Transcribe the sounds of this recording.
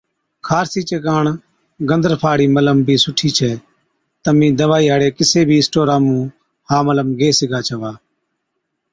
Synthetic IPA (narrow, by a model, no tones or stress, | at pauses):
kʰaːɾsiːt͡ʃeːkaːɳ | ɡənd̪əɾpʰaːɽiːmələmbʱiːsʊʈʰiːt͡ʃʰɛː | t̪əmĩːd̪əʋaːiːɦaːɽeːkɪseːbʱiːɪsʈoːɾaːmũː | haːmələmɡeːsɪɡʱaːt͡ʃʰəʋaː